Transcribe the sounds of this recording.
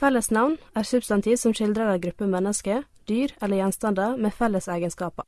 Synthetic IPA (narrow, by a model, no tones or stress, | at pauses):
fɛləsnɑʋnæːɾsʉbst̪ɑnt̪ʰiːʋsɔmʃɪld̪ɾəɾɑɾɡɾʉpəmɛnəskə | d̪̥yːɾɛləjɛnst̪ɑnd̪ɑmeːfɛləsæːɡənskɑːpɑ